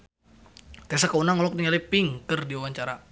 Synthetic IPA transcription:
t̪asakaunaŋɔlɔk̚niŋalipiŋkərdiuwaɲt͡ʃaɾa

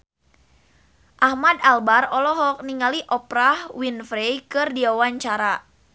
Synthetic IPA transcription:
ʔahmadalbarɔlɔɦɔk̚niŋaliʔɔpɾahwinfɾejkɨrdiawaɲt͡ʃaɾa

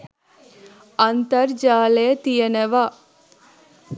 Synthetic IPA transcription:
ɐnt̪ɐɾd͡ʒaːleːt̪ijɐneʋa

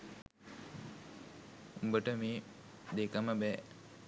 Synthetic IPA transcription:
umbəʈəmeː | d̪ekəməbɛ

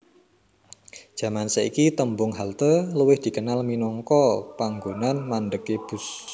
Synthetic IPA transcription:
d̥ʒ̥ä̤mansəikit̪əmbʊŋɦalt̪ələwɪhd̪̥i̤kənalminɔŋkɔpaŋɡonanmanɖəkeb̥ʊ̤s

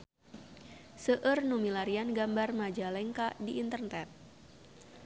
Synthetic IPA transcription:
səʔərnumilaɾianɡambarmad͡ʒalɛŋkaʔdiʔːnt̪ərnɛt̪̚

